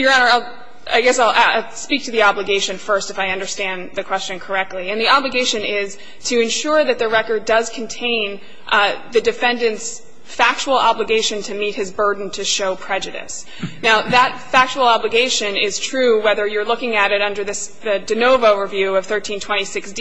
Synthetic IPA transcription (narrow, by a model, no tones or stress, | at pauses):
jə˞ə̃nə˞aɪ | a̰ɪɡɛsaɪlʔaaɪspik̚tʰɨðiɑbləɡeɪʃɨ̃nfɜ˞stɨfaɪʌ̃ndə˞stæ̃nðɨkʰw̥ɛst͡ʃɨ̃nkʰə˞ɛk̚tˡliɨ̃nðiɑbləɡeɪʃɨ̃nɪz̥ | tʰɨɨ̃nʃʊɹðɨt̪̚ðɨɹɛkə˞dʌz̥kʰn̩tʰẽɪ̃n | ðɨdɨfɛ̃ndɨ̃nts | fæk̚t͡ʃul̩ˠɑbləɡeɪʃɨ̃ntʰɨmit̚hɨzbɜ˞dⁿn̩tʰɨʃoʊpʰɹ̥ɛd͡ʒɨɾɨ̰s | naʊðətfæk̚t͡ʃul̩ˠɑbləɡeɪʃɨ̃nɪz̥tʰɹ̥ʉwɛðə˞jə˞lʊkɪ̃ŋɨɾɨɾʌ̃ndə˞ðɨsðɨdɨnoʊvoʊɹəvjʉʌv̥θɜ˞tʰĩntʰw̥ɛ̃ɾ̃isɪksd